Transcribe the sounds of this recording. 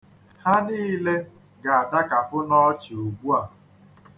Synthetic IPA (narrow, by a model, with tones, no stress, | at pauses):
ha˦niː˦le˦ | ɡa˨a˨da˦ka˨fʊ˦nɔ˦t͡ʃi˨o˨ɡ͡bu˦a˨